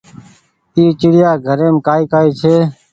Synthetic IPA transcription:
iːt͡ʃɪɽɪjaːɡʱəɾeːmkaːiːkaːiːt͡ʃʰeː

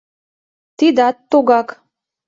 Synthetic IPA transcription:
t̪id̪ɑt̪ːoɣɑk

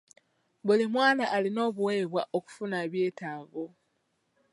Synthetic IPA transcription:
βulimwaːnaʔːlino̞ːβuweːβwaʔo̞ku̥funaβje̞ːtaːɱvo

